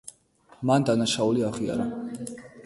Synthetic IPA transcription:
mand̪anaʃauliaʁia̰ɾa

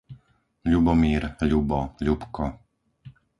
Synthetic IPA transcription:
ʎubɔmiːɾʎubɔʎupkɔ

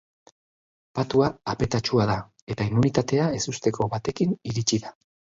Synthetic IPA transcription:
pat̪uaːpe̞t̪at͡ʃuað̞a | e̞t̪aimːunit̪at̪e̞ae̞sust̪e̞ko̞βat̪e̞kiniɾit͡ʃiða

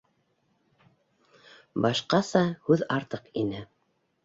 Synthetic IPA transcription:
bɑʃqɑsɑhʉðɑɾt̪ɤqinɘ

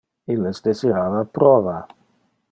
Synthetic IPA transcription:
ilːesd̪eziɾaːvapɾɔːva

